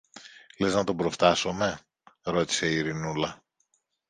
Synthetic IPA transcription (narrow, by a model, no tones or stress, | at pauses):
le̞znɐt̪o̞bɾo̞ft̪ɐsome̞ | ɾo̞t̪i̥se̞iːɾinulɐ